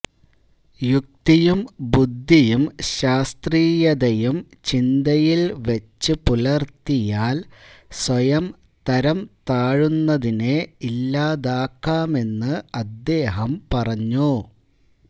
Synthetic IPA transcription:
juk̚t̪ijumbud̪ʱːijumɕaːst̪riːjɐðɐjum | t͡ɕind̪ɐjilʋet͡ɕːɨpulɐrt̪ijaːlswɐjɐm | t̪ɐɾɐmt̪aːɻunːɐðineilːaːðaːkːaːme̞nːɨɐd̪ːe̞ːɦɐmpɐrɐɲːu

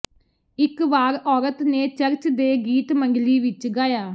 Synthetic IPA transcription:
ɪkʋaːɾɔːɾət̪neːt͡ʃəɾt͡ʃd̪eːɡiːt̪məŋɡliːʋɪt͡ʃɡaːjaː

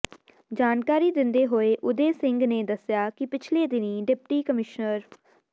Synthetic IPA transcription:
d͡ʒaːnkaːɾiːd̪ɪnd̪eːɦoːeːʔʊd̪eːsɪŋɡneːd̪əsjaːkɪpɪt͡ʃʰleːd̪ɪnĩːɖɪp̚ʈiːkəmɪʃnəɾ

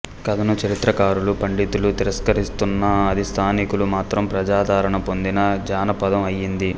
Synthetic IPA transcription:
kɐd̪ɐnut͡ʃɐɾit̪ɾɐkaːɾulupɐɳɖit̪ulut̪iɾɐskɐɾist̪unːɐɐd̪ʱist̪ʰaːnikulumaːt̪ɾɐmpɾɐd͡ʒaːd̪aːɾɐɳɐpo̞nd̪inɐd͡ʒaːnɐpɐd̪ɐmɐjːind̪i

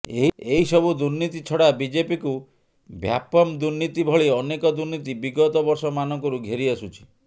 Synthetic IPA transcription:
eɦieɦisɔbʱud̪uɾnit̪it͡ʃʰɔɽabid͡ʒepiku | bʱja̰pɔmd̪uɾnit̪ibʱɔɭiɔnekɔd̪uɾnit̪ibiɡɔt̪ɔbɔɾsɔmanɔŋkɔɾuɡʱeɾiasut͡ʃʰi̥

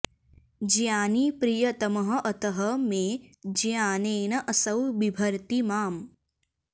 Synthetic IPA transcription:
d͡ʒjaːnipɾijɐt̪ɐmɐɦɐ̆ʔɐt̪ɐɦɐmẽːd͡ʒjaːneːnɐʔɐsɐwbibʱɐɾt̪imaːm

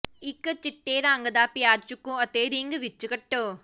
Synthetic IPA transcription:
ikːɐt͡ʃːiʈːeːɾaːŋɡɐd̪aːpjaːɾt͡ʃukːũɐt̪ːeːɾiːŋɡɯʋit͡ʃːukɐʈːo

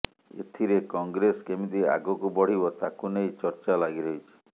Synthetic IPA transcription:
ḛt̪ʰiɾekɔŋɡɾeskemid̪ia̰ɡɔkubɔɽ̤ibɔt̪akunejt͡ʃɔɾt͡ʃalaɡiɾɔit͡ʃʰi̥

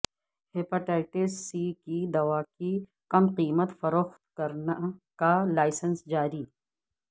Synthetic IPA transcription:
hepaʈaːɪʈesikid̪ɐwaːki | qɐmqiːmət̪fɐɾoxt̪kɐɾnakalaːɪsənsd͡ʒaːɾiː

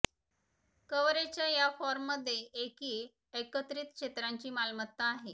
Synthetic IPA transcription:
kəʋɾet͡ɕjajafɔɾmːəd̪ʱːjeʔekiː | ekət̪ɾit̪̚kʰʂet̪ɾaɲt͡ɕiːmalmət̪ːaːɦe

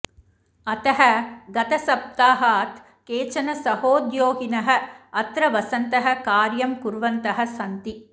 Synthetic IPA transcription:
ɐt̪ɐɦɐɡɐt̪ɐsɐp̚t̪aːɦaːt̪ | keːt͡ʃɐnɐsɐhoːd̪joːɡinɐɦɐ̆ɐt̪ɾɐʋɐsɐnt̪ɐɦɐ̆kaːɾjɐmkuɾʋɐnt̪ɐɦɐ̆sɐnt̪i

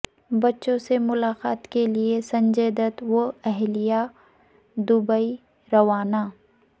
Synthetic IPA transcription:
bɐtːʃõsemʊlaːqaːt̪keliesɐ̃ɲd͡ʒeːd̪ət̪woɛɦlija | d̪ʊbəi | ɾɐʋaːnaː

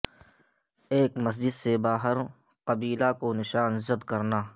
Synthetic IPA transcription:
eːkmɐs̬d͡ʒɪd̪sebaːɦəɾ | qɐbiːlakonɪʃaːnzəd̪kɐɾnaː

